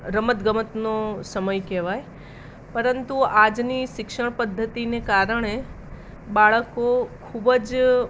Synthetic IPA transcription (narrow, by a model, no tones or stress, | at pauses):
ɾəmət̪ɡəmət̪nosəməjkɛʋaj | pəɾənt̪uad͡ʒniʃɪkʃəɳ̃pəd̪ʱːət̪inekaɾəɳ̃e | baɭəkokʰubəd͡ʒ